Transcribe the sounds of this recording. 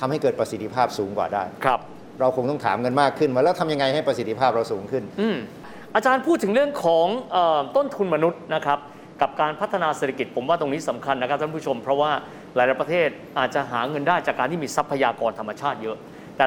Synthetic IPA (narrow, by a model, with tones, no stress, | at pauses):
t̪ʰa˧mha˥˩jkɤː˨˩t̪̚pɾa˧si˨˩t̪ʰːi˧pʰaː˥˩p̚suː˩˦ŋkwa̰ː˨˩daː˥˩jkʰɾa˦˥p̚ | ɾa˧wkʰo˧ŋt̪ɔ˥˩ŋt̪ʰaː˩˦mŋɤ˧nmaː˥˩kʰːɯ˥˩na˦˥lɛː˦˥wt̪ʰa˧mja˧ŋa˧jha˥˩jpɾa˧si˨˩t̪ʰːi˧pʰaː˥˩p̚ɾa˧wsuː˩˦ŋkʰɯ˥˩nʔɯː˧˩m | ʔaː˧t͡ɕaː˧npʰuː˥˩t̪ʰːɯ˩˦ŋɾɯ˥˩əŋkʰɔː˩˦ŋʔəː˨˩t̪o˥˩nt̪ʰu˧nma˧nu˦˥t̪̚na˦˥kʰɾa˦˥p̚ | ka˨˩p̚kaː˧npʰa˦˥t̪ʰːa˧naː˧seː˨˧˩t̪ʰa˧ki˨˩t̪̚pʰo˩˦mwaː˥˩t̪o˧ŋniː˦˥sa˩˦mkʰa˧nːa˥kʰa˦˥t̪ʰa˥˩pʰːt͡ɕʰo˧mpʰɾɔ˦˥waː˥˩ | laː˨˩˦jla˨˩pɾa˧t̪ʰeː˥˩t̪̚ʔaː˨˩t̪̚t͡ɕa˨˩ʔɦaː˩˦ŋɤ˧ndaː˥˩jt͡ɕaː˨˩kːaː˧nt̪ʰiː˥˩miː˧sa˦˥pʰːa˧jaː˧kɔː˧nt̪ʰa˧mːa˧t͡ɕʰaː˥˩t̪̚jɤ˦˥ʔ | t̪ɛː˨˩